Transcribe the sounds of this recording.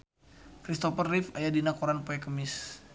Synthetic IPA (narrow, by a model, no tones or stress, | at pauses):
kɾist̪ɔfərːifajadinakoɾanpoɛkəmɪs